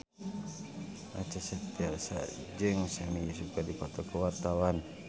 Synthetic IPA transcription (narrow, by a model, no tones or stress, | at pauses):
ʔat͡ʃasət̪iarsa̰d͡ʒɨŋsamijas̬ukadipat̪ɔkəwart̪awan